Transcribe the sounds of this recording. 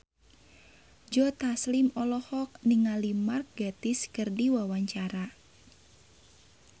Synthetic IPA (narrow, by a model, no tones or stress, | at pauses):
d͡ʒɔt̪aslɪmɔlɔhɔk̚niŋalimark̚ɡat̪ɪskərdiwawaɲt͡ʃaɾa